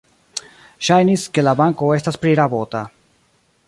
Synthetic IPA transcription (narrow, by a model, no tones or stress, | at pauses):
ʃajniske̞labaŋko̞e̞staspɾiɾabo̞t̪a